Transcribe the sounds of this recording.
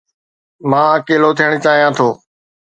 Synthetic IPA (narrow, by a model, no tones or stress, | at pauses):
mãːəkeːlot̪ʰijəɽ̃t͡ɕaːɦijãːt̪ʰoː